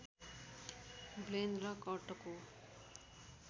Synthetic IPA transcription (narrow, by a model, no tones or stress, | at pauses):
blend̪rʌkʌʈʌko